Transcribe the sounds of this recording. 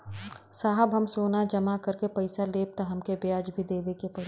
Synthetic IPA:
saːɦəbʱɦɐmsoːnad͡ʒɐmakɐɾkepɐɪsaleːp̚t̪aɦɐmkebjaːd͡ʒbʱid̪eːʋekepɐɾ

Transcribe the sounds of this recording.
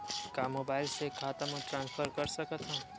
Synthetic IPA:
kamoːbaːɪlsekʰaːt̪əmə̃ʈɾãːnspʰəɾkəɾsəkət̪ʰɦãː

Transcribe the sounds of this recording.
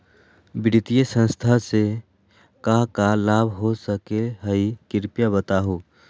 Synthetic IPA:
bɪɾɪt̪ijesə̃nst̪ʰase | kakalaːbʱɦosəkeɦəikɪɾpjabət̪aːɦoː

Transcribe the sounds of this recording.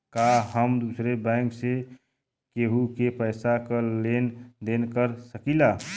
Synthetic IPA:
kaɦəmd̪uːsɾebɛ̃ːŋkse | keɦukepəɪsakəlend̪eːnkəɾsəkila

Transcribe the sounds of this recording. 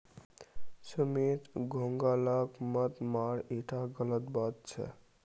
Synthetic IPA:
səmet̪ɡʱoŋɡaləkmət̪maɾeʈʰaɡələt̪bat̪̚t͡ʃʰə̰

